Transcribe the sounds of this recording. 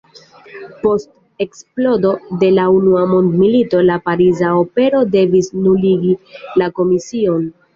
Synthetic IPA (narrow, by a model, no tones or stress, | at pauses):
po̞st | e̞ksplo̞do̞de̞launuamo̞ndmilito̞lapaɾizao̞pe̞ɾo̞de̞visnuliɡilako̞misio̞n